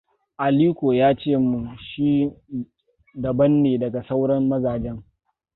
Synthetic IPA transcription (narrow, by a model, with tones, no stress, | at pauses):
ʔa˨liː˦kʷoː˨jaː˦t͡ʃeː˦˨mu˨ʃiː˦ | dɐ˨bɐ˦nːeː˨dɐ˨ɡa˨sa˦wɽɐ˦mːɐ˦zaː˨d͡ʒɛ˦ŋ